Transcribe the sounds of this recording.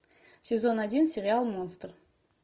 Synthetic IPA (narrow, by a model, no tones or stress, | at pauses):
sʲe̞zo̞nad̪ʲinsʲeɾʲɪalˠmo̞nst̪r